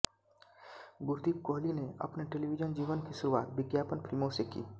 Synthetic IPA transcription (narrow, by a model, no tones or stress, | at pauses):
ɡʊɾd̪ib̚koɦlineə̰pneʈelibid͡ʒənd͡ʒiʋənkisʊɾuʋaːt̪̚biɡjaːpənpʰɪlmosekḭː